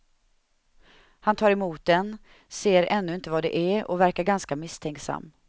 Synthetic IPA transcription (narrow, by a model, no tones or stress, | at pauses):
hant̪ʰɑːɾɛmuːt̪̚d̪ɛn | seːɾɛnːɵɪnt̪əvad̪ɛ̰ʔæɔ̰væɾkaɾɡanskamɪst̪ʰɛŋksa̰mː